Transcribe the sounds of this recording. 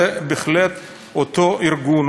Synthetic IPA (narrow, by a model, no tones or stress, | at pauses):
ebeχlet̪ | ot̪oʔiɾɡun